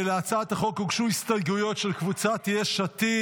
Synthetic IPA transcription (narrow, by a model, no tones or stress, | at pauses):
leat͡sat̪aχo̞kuɡʃuhist̪ajɡujo̞t̪ʃelkvut͡sat̪ijeʃat̪i